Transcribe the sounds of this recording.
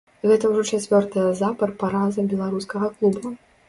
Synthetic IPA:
ɣɛt̪ɐwʐɔt͡ʂat͡sʲvʲɔrt̪ɨjɐzapɐrpaɾazɐbʲɛlˠaɾuskɐɣɐklˠubɐ

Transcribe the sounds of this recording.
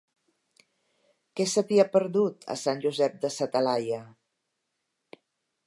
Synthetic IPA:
kɛsəβiəpəɾðut̪ʰə̰sanʲʒuzɛp̚d̪əsət̪əlajə

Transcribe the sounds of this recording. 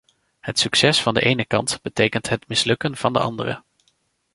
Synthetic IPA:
hətsksɛsfɑndə̰ʔejnəkɑ̰ntb̥ətejkəntɦətmɪslɵkənv̥ɑndə̰ɑ̰ndərə̰

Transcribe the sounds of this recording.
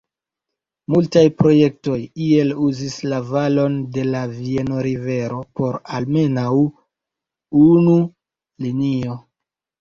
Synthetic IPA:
multajpɾo̞je̞k̚to̞jie̞luzislavalo̞nde̞lavie̞no̞ɾive̞ɾo̞po̞ɾalme̞naw | unu | linio̞

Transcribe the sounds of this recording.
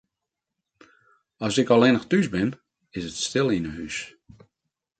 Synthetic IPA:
ɔsɪkɔlˠɪnəxtysbɪn | ɪsətstɪlˠinəhys

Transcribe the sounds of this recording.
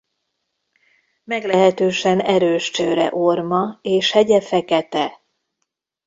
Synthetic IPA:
mɛɡlɛɦɛt̪øːʃɛnɛɾøːʃt͡ʃøːɾɛ̰ʔormɒeːʃhɛɟɛfɛkɛt̪ɛ

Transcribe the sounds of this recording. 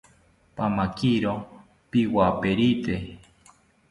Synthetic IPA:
pamakiɾo | piwapeɾit̪e

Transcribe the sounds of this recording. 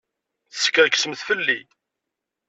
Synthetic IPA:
θsə̥kːəɾksəmθfəlːi

